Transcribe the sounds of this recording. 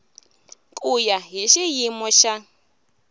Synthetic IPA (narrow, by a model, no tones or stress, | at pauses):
kʼujaɦiʃijimɔʃa